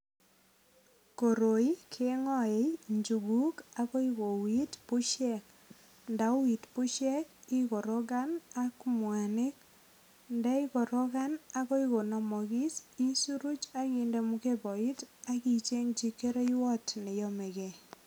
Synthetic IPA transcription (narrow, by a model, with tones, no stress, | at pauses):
ko˨ɾo˨i˦kʰe˦ŋɔ˦˨e˨˦ɲd͡ʒu˨ɡu˦ka˦ko˦i˦ko˨wi˦tpu˦ʃɛ˦˨k̚ | nda˨˦wwi˨tpu˦ʃɛ˦ki˦ko˨ɾɔ˦ɡa˦na˦kmwa˨nɪ˦k̚ | ndɛ˦i˦ko˨ɾɔ˦ka˦na˦ko˦i˦ko˨na˨mɔ˨ki˦si˦su˦ɾu˦t͡ʃa˦kinde˨mu˦ke˦bɔ˨i˦ta˦ki˦t͡ʃe˦ŋt͡ʃi˦kːe˦ɾe˦i˦wɔ˦tne˨jɔ˦me˨ke˨